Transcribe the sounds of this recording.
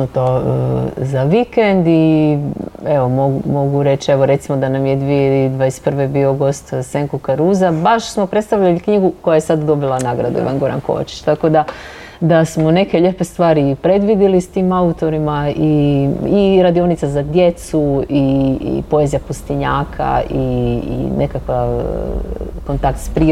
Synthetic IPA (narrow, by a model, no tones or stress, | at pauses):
nut̪o | zaʋikend̪i | e̞ʋo̞moɡumo̞ɡuɾe̞t͡ʃieʋoɾe̞t̪simo̞d̪anamjed̪ʋied̪ʋaest̪pr̩ʋe̞bio̞ɡo̞st̪seŋkokaɾuːzabaʃsmo̞pɾe̞t̪st̪aʋʎalikɲiɡuko̞jajesad̪d̪o̞bilˠanaɡɾad̪uḭʋa̰nɡo̞ɾa̰nko̰ʋa̰t͡ʃi̥t͡ʃt̪ako̞d̪a | d̪asmo̞ne̞ke̞ʎe̞pest̪ʋaːɾipɾe̞d̪ʋid̪ilist̪iːmaut̪o̞ɾimaiiɾad̪io̞nit̪sazad̪je̞t̪suiḭpo̞ezjapust̪iɲaːkʰa̰ḭ | ne̞kakʋa | ko̞nt̪ak̚t̪spɾi